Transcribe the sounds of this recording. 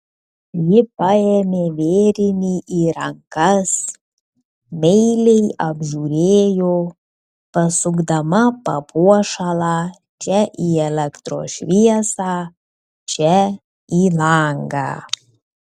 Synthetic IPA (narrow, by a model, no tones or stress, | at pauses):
jɪpɐeːmʲeːʋʲeːɾʲɪnʲiʔiːɾɐŋkɐs | mʲɛɪlʲɛɪɐbʲʒuːɾʲeeːjoː | pɐsʊɡd̪ɐmɐpɐpʰuɔʃɐlˠɑː | t͡ʃʲɛʔiːɛlʲɛkt̪ɾo̰ːʃʲʋʲiɛsɑː | t͡ʃʲɛ | iːlˠɐŋɡɑ̰ː